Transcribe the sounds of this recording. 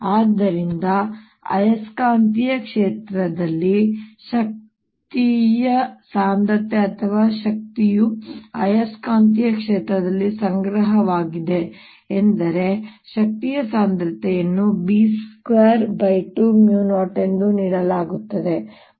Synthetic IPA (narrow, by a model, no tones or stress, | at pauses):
aːd̪ːɐɾind̪ɐ | ɐ̰jɐskaːnt̪ijɐkʂeːt̪ɾɐd̪ɐlːiʃɐk̚ | tt̪ijɐsaːnd̪ɐt̪ːeɐt̪ʰɐʋaːʃɐk̚t̪ijuɐ̰jɐskaːnt̪̬ijɐkʂeːt̪ɾɐd̪ɐlːisɐŋɡɾɐɦɐʋaːɡid̪e̞ː | nd̪ɐɾe̞ʃɐk̚t̪ijɐsaːnd̪ɾɐt̪ːɛjɐnːubiːskʋeːɾbɐjʈumjuːnoːʈe̞nd̪uniːɽɐlaːɡut̪ːɐd̪e̞